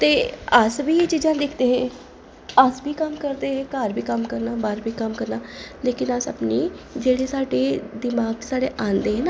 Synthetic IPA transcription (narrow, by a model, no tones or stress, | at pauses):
t̪eːəsbiːt͡ʃiːd͡ʒãːd̪ɪkʰd̪eːɦɛ̃ː | əsbiːkəmkəɾd̪eːɦɛ̃ːkaːɾbʱiːkəmkəɾnaːbaːɾbʱiːkəmkəɾnaːleːkɪnəsə̰pniːd͡ʒeːɽeːsaːɖeːd̪ɪmaːɡ̚saːɖeːʔaːnd̪eːɦɛnaː